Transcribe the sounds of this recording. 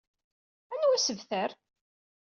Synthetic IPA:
ænwæsəvθəɾ

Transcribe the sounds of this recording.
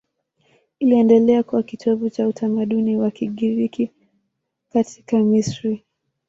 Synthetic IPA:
iliɛndɛlɛakuwakitʰɔvut͡ʃautʰamaɗuniwakiɠiɾiki | katʰi̥kamisɾi

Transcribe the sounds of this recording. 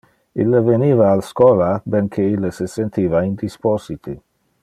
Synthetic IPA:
ilːeveniːvaːlskɔːlabenkʰeilːesesent̪iːvaind̪ispɔzit̪ʰi

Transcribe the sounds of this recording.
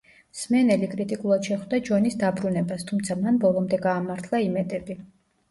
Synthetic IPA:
smɛnɛlikʼɾit̪ʼikʼulˠad̪̥ʃɛχvd̪ad͡ʒɔnisd̪abɾunɛbast̪ʰumt̪sʰamanbɔlˠɔmd̪ɛɡaːmaɾt̪ʰlˠaimɛt̪ʼɛbi

